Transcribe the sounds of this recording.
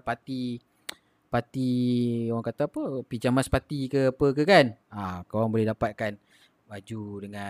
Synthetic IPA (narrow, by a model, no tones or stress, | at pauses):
pat̪i | pat̪ioɣaŋkat̪apəpid͡ʒamaspat̪ikəapəkəkanakawaŋbolɛhdapat̪̚kan | bad͡ʒudəŋã